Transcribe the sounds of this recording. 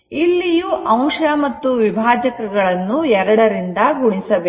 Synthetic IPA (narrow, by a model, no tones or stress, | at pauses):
ilːijuʔɐw̃ʂɐmɐt̪ːuʋibʱaːd͡ʒɐkɐɡɐɭɐnːuɛɾɐɽɐɾind̪ɐɡuɽisɐʋe